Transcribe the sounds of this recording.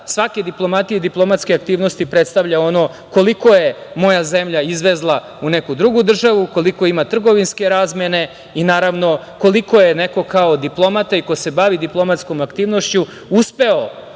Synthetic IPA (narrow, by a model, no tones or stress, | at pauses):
sʋaked̪iplˠo̞mat̪ijed̪iplˠo̞mat̪skeak̚t̪iːʋnost̪ipɾet̪st̪aʋʎao̞no̞ | ko̞liko̞je̞mo̞jazemʎaizʋezlˠa | une̞kud̪ɾuɡud̪r̩ʒaʋuko̞liko̞imat̪r̩ɡo̞ʋinske̞ɾazmene̞ | inaːɾaʋno̞ | ko̞liko̞je̞neko̞kaod̪iplˠo̞mat̪aikose̞baʋid̪iplˠo̞mat̪sko̞makt̪iːʋnoʃt͡ɕu | uspe̞o